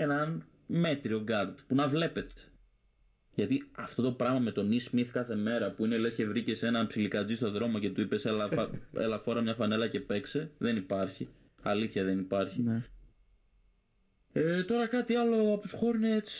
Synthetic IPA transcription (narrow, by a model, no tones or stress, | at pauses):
enɐn | me̞t̪ɾio̞ɡɐɾd̪punɐvle̞pe̞t̪e̥ | ʝɐt̪iɐft̪o̞t̪o̞pɾɐɣmɐme̞t̪o̞nismiθkɐθe̞me̞ɾɐpuinelesce̞vɾice̞se̞nɐnpsilikɐd͡zist̪o̞ðɾo̞moce̞t̪uipe̞selɐɐḛlɐfo̞ɾɐmɲɐfɐne̞lɐce̞pe̞kse̞ðe̞nipɐɾçi | ɐliθçɐðe̞nipɐɾçi | et̪o̞ɾɐkɐt̪iɐlo̞ɐpusxo̞ɾuneet͡si̥